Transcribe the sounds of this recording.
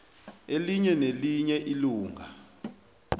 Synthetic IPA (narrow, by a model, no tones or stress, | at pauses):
eliɲɛneliɲɛʔiluːŋa